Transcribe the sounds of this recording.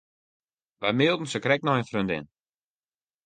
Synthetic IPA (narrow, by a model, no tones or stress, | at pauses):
ʋajmɪːlˠdn̩səkrɛk̚nɔxənfrøndɪ̰n